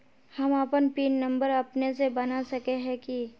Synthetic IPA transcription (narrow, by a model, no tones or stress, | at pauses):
hɐməpənpiːnːɐ̃mbəɾɐpnesebɐnasɐkeɦɛ̃ki